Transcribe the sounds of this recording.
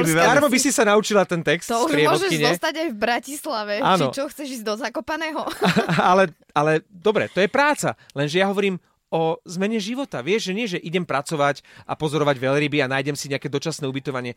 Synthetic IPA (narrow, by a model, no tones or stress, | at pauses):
ɛaɾmɔbisisanaut͡ʃilat̪ɛnt̪ɛkst̪ɔupɾɪɛɔʋɔʒɛʒkiɲɛst̪aɟajvbɾacislaʋɛaːt͡ʃniɔt͡ʃɔxt͡sɛʒiːzd̪ɔzakɔpanɛːɦɔalɛ | alɛd̪ɔbɾɛ̰t̪ɔjɛpɾaːt͡sa̰lɛnʒɛjaɦɔʋɔɾiːm | ɔzmɛɲɛʒiʋɔt̪aʋɪɛʒʒɛɲɪɛʒɛʔiɟɛmpɾat͡sɔʋacʔa̰pɔzɔɾɔʋaɟʋɛʎɾibianaːjɟɛmsiɲɛakɛd̪ɔt͡ʃasnɛːubit̪ɔʋaɲɪɛ